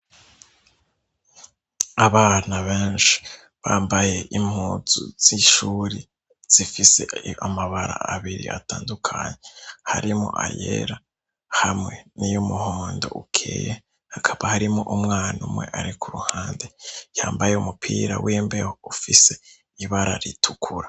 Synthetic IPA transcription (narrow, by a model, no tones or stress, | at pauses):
aβaːnaβeːnʃi̥ | βaːmbaje̞ʔim̥huːzṵz̥iʃuɾi | z̥ifise̞amaβaɾa̰aβiɾḭʔataːndukʰaɲe̞ha̰ɾimo̰ʔajḛɾa | hamŋe̞nijomuhoːndo̞̰ʔukʰḛːje | hakʰaβahaɾimoʔumŋaːnumŋe̞̰ʔaɾikʰuɾuhaːndejaːmbajeumupʰiːɾawʔiːmbehoufise̞ | iβaɾaɾitʰukʰuɾa